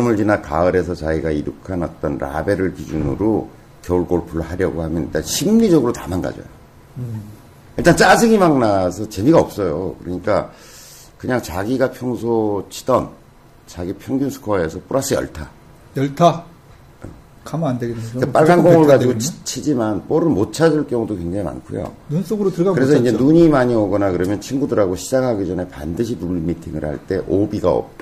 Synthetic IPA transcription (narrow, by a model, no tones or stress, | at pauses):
ʌmuɭd͡ʑinakaɯɾe̞sʰʌt͡ɕaiɡaiɾukʰanat͈ʌnɾa̰be̞ɾɯɭkid͡ʑunɯ̰ɾo | kjʌuɭɡoɭpuɭːohaɾjʌɡohamjʌniɭt͈anɕʰimɲid͡ʑʌɡɯɾotamanɡa̰d͡ʑʌ̰jo̰ | iɭt͈ant͡ɕ͈ad͡ʑɯɡimaŋnasʰʌt͡ɕe̞miɡaʌp̚s͈ʌjokɯɾʌɲik͈a | kɯɲaŋt͡ɕaɡiɡapʰjʌŋsʰot͡ɕʰi̥d̥ʌn | t͡ɕaɡipʰjʌŋɡunsʰu̥kʰae̞sʰʌp͈uɾas͈ʰɯjʌ̰ɭtʰa | jʌɭtʰa | ʌ̰ | kamandeɡekep͈aɭɡanɡoŋɯɭɡad͡ʑiɡot͡ɕʰt͡ɕʰid͡ʑimanp͈oɾɯnmot͡ɕʰad͡ʑɯɭk͈jʌŋudokwe̞ŋd͡ʑaŋima̰nkʰujo̰nuns͈oɡɯɾotɯɡakɯɾe̞sʰʌind͡ʑe̞nuɲimaɲiʌɡʌnakɯɾʌmjʌnt͡ɕʰinɡudɯɾaɡoɕʰid͡ʑaŋɦaɡid͡ʑʌne̞pa̰ndɯɕ̬ʰipuɭːimitʰiŋɯɭha̰ɭt͈e̞ʔobiɡa̰ʌ̰p̚t͈a